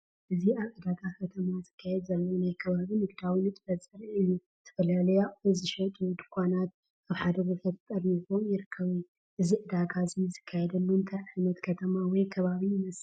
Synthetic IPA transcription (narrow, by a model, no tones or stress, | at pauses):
ʔɨziaβʔɨd̪ak̪ʰʼakʰɐt̪ʰɐmazɨkʰːajɛd̪zɐlːowunajkʰɐβaβinɨɡd̪awinɨt̪ʼɨfɐt͡sʼɨɾiɨjːu | t̪ʰɐ̥fɐlalɐjaɨzɨʃɛt̪ʼud̪ɨkʰʷanat̪̚ | aβħad̪ɐɡofʰɐt̪t̪ʼɐɾiβomjɪɾɨkʰːɐβuju | ʔɨziʔɨd̪akʰazijzɨkʰːajɛd̪ɐlːuɨnt̪ʰajʕajnɐt̪kʰɐt̪ʰɐmawɔjkʰɐβaβijɪmɐs